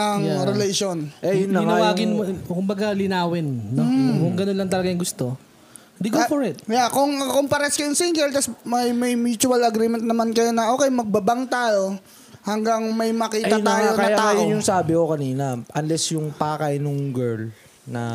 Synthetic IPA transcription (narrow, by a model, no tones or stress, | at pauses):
ɐŋɾɛleʃonʔɛjʊnːɪŋɐwaːɡɪnmkʊmbɐɡalɪnaːwɛnːɐkʊŋɡɐnonlɐŋt̪ɐlɐɡajɐŋɡʊst̪o̞ | d̪ɪɡofoɹɪt̪jakoŋɐkompɐɾɛskɐjʊŋsiŋɡɛlt̪ɐsmɐjmɐjmjuːt͡ʃʊɐlɐɡɾiːmɛnt̪nɐmankɐjo̞nɐʔo̞ːkɛjmɐɡ̚bɐbaŋt̪aːjo̞ | hɐŋɡaŋmɐjmɐkiːaaːjkɐjaajʊnjʊŋsaːbɪkokɐniːnɐʔɐnlɛsjʊŋpaːkɐjnʊŋɡɛɹl | nɐ̰